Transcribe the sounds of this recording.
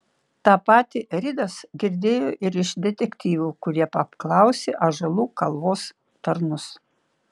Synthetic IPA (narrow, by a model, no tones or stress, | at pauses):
t̪ɑːpɑːt̪ʲiɾʲɪd̪ɐsɡʲɪɾʲd̪ʲeːjoːʔɪɾɪʃd̪ʲɛt̪ʲɛkʲt̪ʲiːʋʲuːkʊɾʲiɛpɐpklˠɐˑʊsʲeʔɐʒɐlˠuːkɐlˠʋoːs | t̪ɐɾnʊs